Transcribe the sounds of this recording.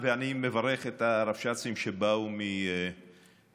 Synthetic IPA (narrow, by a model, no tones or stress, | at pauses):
veanimevaɾeχet̪aɾafʃat͡simʃebaumi